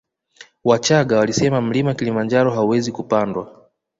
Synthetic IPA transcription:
wat͡ʃaɠawalisɛmam̩limakilimand͡ʒaɾɔɦauwɛzikupandwa

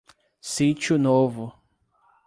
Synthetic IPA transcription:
sit͡ʃʊnovʊ

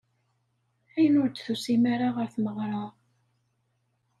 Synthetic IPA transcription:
æjənʊɾd̪θusimaɾaʁəɾθməʁɾˤɑ

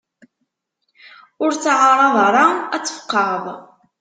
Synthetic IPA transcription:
ʊɾt͡sːʕɑɾˤɑðˤɾˤɑæt͡sːə̥fqːɑðˤ

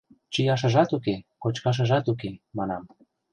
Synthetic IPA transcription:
t͡ɕijɑʃ̬ə̆ʒɑt̪ukekot͡ɕkɑʃ̬ə̆ʒɑt̪uk̬emɑnɑm

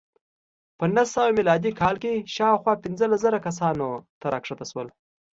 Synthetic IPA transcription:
pənasawamilɑd̪ikʰɑlkeʃɑwxwɑpɪnzəlaszəɾakas̬ɑnot̪aɾʔɑkʂat̪aʃwəl

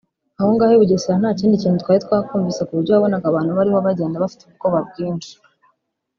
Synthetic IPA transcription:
ahoŋɡaːheβuɟoseɾanaːciːndiciːnhut̪kwaːjet̪kwaːkuːɱvisekuβuɾɟoβaβo̞naɡaβaːn̥huβaɾiβoβaɟe̞ːndaβafi̥teuβuko̞βab̚ɡiːnʃi̥

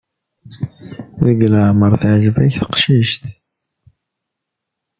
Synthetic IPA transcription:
wiɡləʕməɾˤθʕʒvæçθə̥qʃiʃt̪

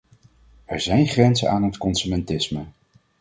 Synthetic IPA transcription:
ɛɹzɛjnχrɛnzə̰naːnɦətkɔnsymɛntɪsmə

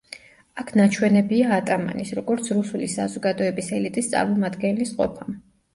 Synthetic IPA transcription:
akʰnat͡ʃʰwɛnɛbiaːt̪ʼama̰nisɾɔɡɔɾt̪sʰɾusulisazɔɡad̪ɔɛbisɛlit̪ʼist̪sʼa̰ɾmɔmad̪ɡɛnlisqʼɔ̰pʰam

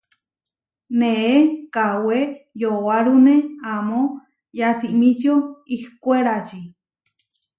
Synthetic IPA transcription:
nẽekawejowaɾunẽamõ | jasiʔmĩsjoihkʷeɾat͡ʃi

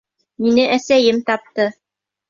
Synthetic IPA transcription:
minɘʔæsæjɘmt̪ɑp̚t̪ɤ

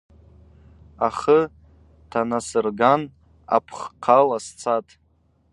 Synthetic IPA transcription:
aχə | tʰanasɨrɡan | a̰pʰχqʰalast͡sʰatʼ

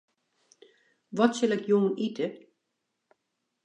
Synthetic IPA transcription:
ʋɔtsɪlɛkjoːnitʰə

